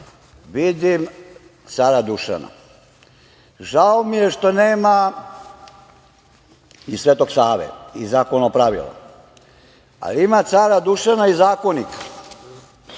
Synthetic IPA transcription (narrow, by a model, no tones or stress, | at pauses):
ʋid̪im | t̪saːɾad̪uʃa̰na̰ | ʒaomije̞ʃt̪o̞neːma | isʋeːt̪o̞ɡsaːʋḛizaːkonopɾaʋḭla̰ | a̰liimat̪saːɾad̪uʃanaizaːko̞nikḁ